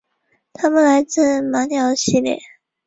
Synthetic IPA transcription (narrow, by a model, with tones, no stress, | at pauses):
t̪ʰa˥mə˨nla˧˥ɪt͡sɹ̩˥˩ma˧˥njɑ˨˩ʊɕi˥˧ljɛ̰˥˩˦